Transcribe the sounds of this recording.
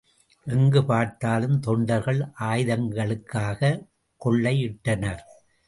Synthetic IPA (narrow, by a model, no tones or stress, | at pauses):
ʔɛŋɡɯpaːɾt̪aːlɯmt̪ɔɳɖɐɾɣɐɭʔaːjðɐŋɡɐɭɯkːaːɣɐ | kɔɭːɐɪɪʈːɐnɐɾ